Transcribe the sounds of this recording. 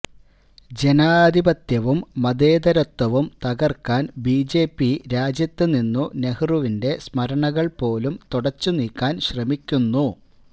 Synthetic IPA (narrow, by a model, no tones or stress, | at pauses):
d͡ʑe̞naːd̪ʱibɐt̪jɐʋumːɐd̪e̞ːd̪ɐɾɐt̪ːwɐʋumt̪ɐɣɐrkːaːnbiːd͡ʑe̞ːpːiɾaːd͡ʑjɐt̪ːɨninːune̞hruʋinde̞smɐɾɐɳɐɣɐɭpo̞ːlumt̪uɽɐt͡ɕːuniːkːaːnɕrɐmikʲːunːu